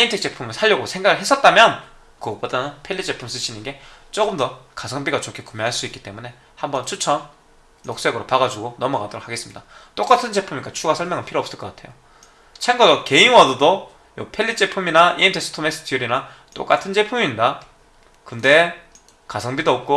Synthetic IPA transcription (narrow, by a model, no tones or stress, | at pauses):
iintʰek̚t͡ɕ͈e̞pʰumɯɭsʰaʎːʌɡosʰe̞ŋɡaɡɯɭɦes͈ʰʌt̚t͈amjʌn | kɯɡʌpodanɯnpʰe̞ʎːit͡ɕ͈e̞pʰums͈ɯɕʰinɯnɡe̞t͡ɕ͈oɡɯmdʌkasʰʌŋbiɡat͡ɕokʰe̞kumjeɦaɭs͈uik͈i̥t͈e̞mune̞ | hambʌnt͡ɕʰut͡ɕʰʌnː | ok̚s͈e̞ɡɯɾopaɡad͡ʑuɡonʌmukadoɾokʰaɡe̞s͈ɯmɲidat͈ok͈atʰɯnd͡ʑe̞pʰumik͈at͡ɕʰuɡasʰʌɭmjʌŋɯnpʰiɾoʌps͈ɯɭk͈ʌk͈atʰe̞jo | t͡ɕʰeŋɡʌdoke̞inwadodo | jopʰe̞ʎːit͡ɕ͈e̞pʰuminaiimtʰeks͈ʰɯ̥tʰomes͈ʰɯ̥tʰijuɾina | t͈o̰k͈atʰɯnd͡ʑe̞pʰuminda | kɯnde̞ | kasʰʌŋbidoʌp̚k͈o